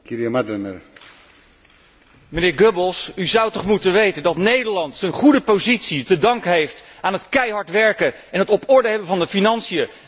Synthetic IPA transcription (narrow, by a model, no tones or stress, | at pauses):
kiɾiamadənər | mənɪːɹɡøbəlˠsyzʌwtɔχmutənʋejtəndɑtnejdəɹlɑntsənχudəpozitsitədɑŋkɦejftaːnɦətkɛjɦɑɹtʋɛɹkə | ɛnɦətɔpɔɹdəɦɛbəvɑndəfinɑnsijə